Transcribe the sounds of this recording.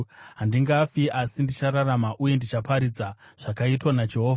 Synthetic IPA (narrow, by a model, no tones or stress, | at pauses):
ɦandiŋɡafiʔasindit͡ʃaɾaramaʔuje̞ndit͡ʃapaɾid͡zaʐ̥akaitwanad͡ʒeɦoːva